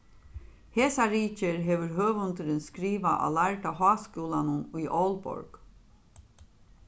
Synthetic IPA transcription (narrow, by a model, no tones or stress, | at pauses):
heːsaɾiːcəɾɦeːʋəɾɦøːʋʊnt̪əɾənskɾiːʋaʔɑ̰læɹʈaɦɑːskuːlanəniːʔɔlbɔ̰ɹɡ̥